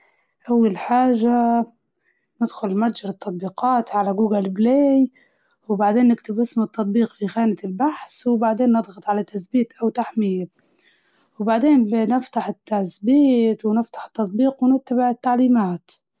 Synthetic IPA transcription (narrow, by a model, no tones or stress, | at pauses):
ʔawːalħaːʒa | nɪd̪xʊlmat̪d͡ʒɪɾɨt̪ːɑt̪̚ˤbiːqɑːt̪ʕalaɡuːɡalbleːj | wbaʕd̪eːnːɪkt̪ɪbʔɪsmʊt̪ːɑt̪ˤbiːqfixaːnɪt̪ɪlbaħswbaʕd̪eːnːɨd̪ˤɣɑt̪ˤʕalat̪asbiːt̪ʔawt̪aħmɪja | wbaʕd̪eːnnɪft̪aħɪt̪ːasbiːt̪wnɪft̪ḁħɪ̥t̪ːɑt̪̚ˤbiːqwnɪt̪ːabɪʕɪt̪ːaʕliːmaːt̪